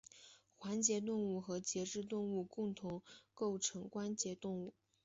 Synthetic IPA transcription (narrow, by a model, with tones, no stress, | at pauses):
xwa˧˥nt͡ɕjɛ˧˥t̪̬ʊ˥˧ŋu˥˩xɤ˧˥t͡ɕjɛ˧˥ʈ͡ʂɻ̩˥˧t̪̬ʊ˥˧ŋu˥˧kʊ˥˩ŋt̪ʰʊ˧˥ŋko˥˩ʊʈ͡ʂʰɤ˧˥ŋkwa˥nt͡ɕjɛ˧˥t̪ʊ˥˧ŋu˥˩